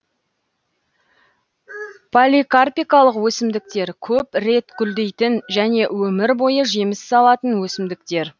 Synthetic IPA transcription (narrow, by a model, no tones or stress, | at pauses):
pʰolʲikarpijkɑlˠəqwɵsɪmd̪ɪk̚t̪e̞ɾkʲʰɵpre̞t̪ɡʲʏld̪e̞jt̪ɪnʒæne̞wɵmɪɾbo̞jəʒe̞mɪsːɑlˠɑt̪ənwɵsɪmd̪ɪk̚t̪e̞ɾ